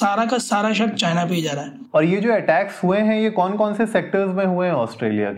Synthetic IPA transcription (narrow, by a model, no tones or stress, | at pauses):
saːɾakasaːɾaʃɐk̚t̪̚t͡ʃaːnapijd͡ʒaːɾaːɦɛː | ɔːɾjed͡ʒoːɛʈɛːksɦueɦɛ̃jekɔːnkɔːnseseːk̚ʈəɾzmẽɦueɦɛ̃ɔːsʈɾeːlija̰ke